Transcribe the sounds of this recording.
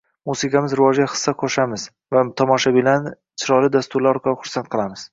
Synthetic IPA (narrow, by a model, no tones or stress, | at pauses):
musɪkamɪzɾɪvɒd͡ʒʲaχɨ̥sːaqʰoʃamɪz | vat̪ʰɒmɒʃabɪlan | t͡ʃʰɪɾɒlɪd̪ast̪ʊɾlaɒɾqʰɑlˠʊχʊɾsant̪̚qʰɨlˠamɪz̥